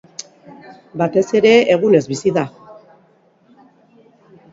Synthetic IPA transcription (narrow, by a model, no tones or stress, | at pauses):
bat̪e̞se̞ɾe̞eɣ̞une̞zβisiða